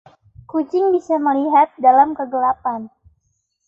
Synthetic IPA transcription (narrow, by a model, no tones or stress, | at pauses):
kut͡ʃɪŋbisaməliɦat̪̚dalamkəɡəlapan